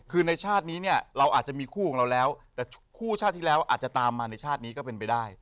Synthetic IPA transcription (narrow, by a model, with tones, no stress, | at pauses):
kʰɯː˧na˧jt͡ɕʰaː˥˩t̪̚niː˦˥ni˥˩ɐɾa˧wʔaː˨˩t̪̚t͡ɕa˩miː˧kʰuː˥˩ɔː˨˩˦ŋɾa˧wlɛː˦˥wt̪ɛː˨˩kʰuː˥˩t͡ɕʰaː˥˩t̪ʰːi˥˩lɛː˦˥wʔa̰ː˨˩t̪̚t͡ɕa˨˩t̪aː˧mːaː˧na˧jt͡ɕʰaː˥˩t̪̚niː˦kɔː˥˩pe˧npa˧jdaː˥˩j